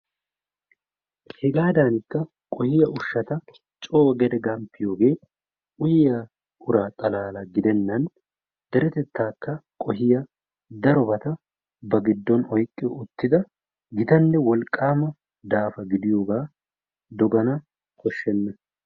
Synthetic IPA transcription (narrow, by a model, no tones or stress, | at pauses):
hɛɡaːd̪aːnɪkːɐ | kʼɔhɪjɐʔʊʃːɐt̪ɐ | t͡ʃʼoːɡɛd̪ɛɡɐmpːɪjo̞ːɡe̞ː | ʊjɪjaː | ʊɾaːt̪ʼɐlaːlɐɡɪd̪ɛnːɐn | d̪̥ɛɾɛt̪ɛt̪ːaːkːɐkʼɔɦɪjɐ | d̪ɐɾɔbɐt̪ɐ | bɐɡɪd̪ːɔnɔjkʼːɪjɔʊt̪ːɪd̪ɐ | ɡɪt̪ɐnːɛwɔlkʼːaːmɐ | d̪aːfɐɡɪd̪ɪjoːɡaː | d̪ɔɡɐnɐ | kɔʃːɛnːɐ